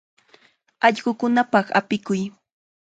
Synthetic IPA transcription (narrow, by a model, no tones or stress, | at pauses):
ɑʎɢʊkʊnapɑχa̰pɪkʊj